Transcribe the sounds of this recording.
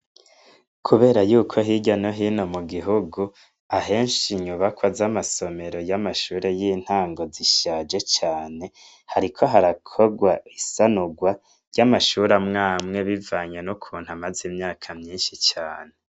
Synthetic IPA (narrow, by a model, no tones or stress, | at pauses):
kʰuβe̞ːɾajuːkʰo̞ɦiːɟano̞ɦiːno̞muɡiɦuɡu | aɦe̞ːnʃiɲuβakwazamaso̞me̞ɾo̞jamaʃuːɾe̞jiːn̥haːŋɡo̞ziʃaːd͡ʒe̞t͡ʃaːne̞ | haɾikʰo̞ɦaɾakʰo̞ɡwaisanuɡwa | ɾjɟamaʃuɾamŋaːmŋe̞βivaːɲenukʰuːn̥huamazimɲaːkʰamɲiːnʃit͡ʃaːne